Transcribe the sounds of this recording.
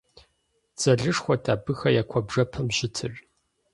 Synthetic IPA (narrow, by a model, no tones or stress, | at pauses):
t͡sʼɐɮɨʂxʷɔtʰaːbɨxɐjaːkʷʰɔbʐɐpʰɐmʑɪtʰɨr